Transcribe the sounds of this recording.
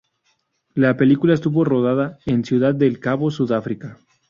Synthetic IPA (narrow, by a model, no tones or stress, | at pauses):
lape̞likulaes̬t̪uβo̞ro̞ðaðaensjuðað̚ːe̞lkaβo̞suðafɾika